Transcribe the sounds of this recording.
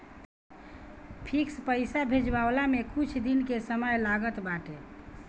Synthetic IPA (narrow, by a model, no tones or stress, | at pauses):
pʰikspəɪsabʱed͡ʒbawlamekut͡ʃʰd̪inkesəməjlaɡət̪baʈe